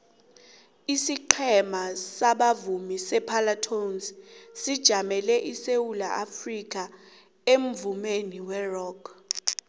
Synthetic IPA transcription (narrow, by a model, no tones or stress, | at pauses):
isiǃʰɛmasaɓavumisɛpʰalatʰonssid̥ʒ̥ʱamɛlɛʔisewula̰ʔafrik̬ʼa | em̩vumeniwɛrɔːkʰ